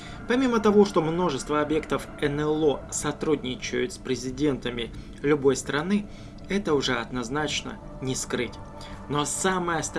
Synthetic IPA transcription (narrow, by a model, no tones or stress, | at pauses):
pɐmʲimət̪ɐvo̞ʂt̪o̞mno̞ʐɨst̪vəɐbje̞kt̪əf | ɛnɛlˠo̞sɐt̪ɾudʲnʲɪt͡ɕɪjʊt̪spɾʲɪzʲɪdʲe̞nt̪əmʲɪ | lʲʊbo̞jst̪ɾɐnɨ | ɛt̪əʊʐɛɐd̪nɐznat͡ɕnə̰ | nʲɪskɾɨtʲ | no̞saməjəst̪